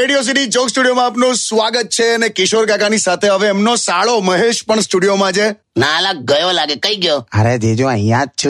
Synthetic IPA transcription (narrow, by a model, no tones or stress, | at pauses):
eɽijos̬iʈid͡ʒoksʈuɽijomãaːpnũsʋaɡət̪̚t͡ʃʰeənekɪʃoɾɡakanisat̪ʰeɦəʋeːmnosaɭoməɦeʃpəɳsʈuɽijomãd͡ʒe | nalaɡəjõlaɡekəiɡjoə̰ɾed̪ed͡ʒoãijãt͡ʃʰ